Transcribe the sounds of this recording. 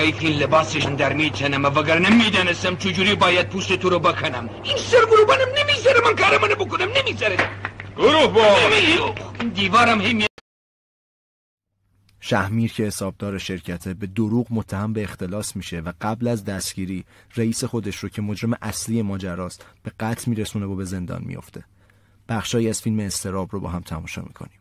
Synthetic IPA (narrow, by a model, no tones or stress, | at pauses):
jifiːnlebɑːseʃnd̪æɾmiːt͡ʃ̪ʰænæmævæɡæɾnemiːd̪ɒːnesæmt͡ʃʰed͡ʒuːɾiːbɑːjæd̪̚pʰuːst̪et̪ʰoɾobekʰonæminseɾɡoɾuːbɑnæmnemiɡzæɾemænkʰɑːɾemɑnebokonæmnemizæɾeɡ̥oɾuhbɒːiind̪iːvɑːɾæmhejmi | ʃæhmiːɾcʰe̞he̞sɒːb̚d̪ɒːɾeʃe̞ɾcʰæt̪ʰebe̞d̪oɾuːɣmot̪ʰːæhæmbe̞ːxt̪ʰe̞lɒːsmiːʃe̞væɢæblæzd̪æsɟ̥iːɾiːreiːse̞xo̞d̪eʃɾocʰe̞mo̞d͡ʒɾe̞meʔæsliːje̞mɒːd͡ʒæɾɒːsb̥e̞ɡæt̪ʰmiːɾesunevobe̞ze̞nd̪ɒ̰ːnmḭjo̞̰ft̪ʰe̞ | b̥æχʃɒːjiːæz̥filmeːst̪ʰe̞ɾɒːbrobɒ̰ːɦæmt̪ʰæmɒːʃɒ̰ːmḭkʰo̞̰nim